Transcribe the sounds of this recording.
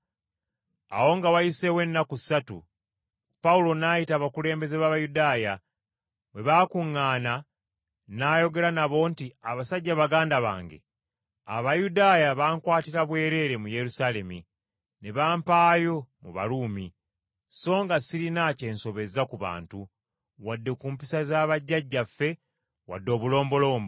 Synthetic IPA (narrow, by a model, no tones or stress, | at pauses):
a̰wo̞ŋɡawajise̞we̞nːakusatṵ | paulo̞naːjitaːβakule̞ːmbe̞zeβaβajudaːja | βe̞βaːkuŋːaːna | naːjo̞ɡe̞ɾanaβo̞ːntiaβasaɟːaβaɡaːndaβa̰ːŋɡe̞̰ | a̰βajudaːjaβaːŋkwaːtiɾaβwe̞ːɾe̞ːɾe̞muje̞ɾusaːle̞mi | ne̞βaːmpaːjo̞muβa̰luːmi | so̞ːŋɡasiɾinace̞ːnso̞βe̞zakuβa̰ːntu | wadːe̞kuːmpisazaːβaɟːaɟːafːe̞ | wa̰dːo̞ːβulo̞ːmbo̞lo̞ːmbo